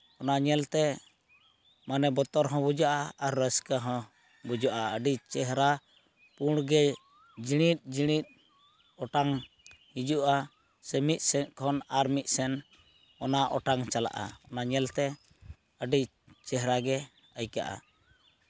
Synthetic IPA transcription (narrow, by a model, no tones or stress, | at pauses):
ɔnaɲɛlt̪ɛ | manɛbɔt̪ɔɾɦɔ̃bud͡ʒaʔaːɾːəskəɦɔ̃ | bud͡ʒaʔaəɖit͡ʃɛɦɾa | puɽ̃ɡɛ | d͡ʒiɽ̃it̪̚ˀd͡ʒiɽ̃it̪̚ | ɔʈaŋ | hid͡ʒuʔa | sɛmit̪̚sɛnkʰɔnaɾmit̪̚ˀsɛn | ɔnaʔɔʈaŋt͡ʃala̰ʔa̰ɔnaɲɛlt̪ɛ | əɖi | t͡ʃɛɦɾaɡɛ | əjka̰ʔa̰